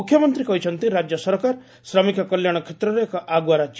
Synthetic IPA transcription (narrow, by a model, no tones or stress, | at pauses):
ukʰjɔmɔnt̪ɾikɔɦit͡ʃʰɔnt̪iɾad͡ʒjɔsɔɾkaɾ | sɾɔmikɔkɔljaɽ̃ɔkʰet̪ɾɔɾeːkɔʔaɡuaɾat͡ʃ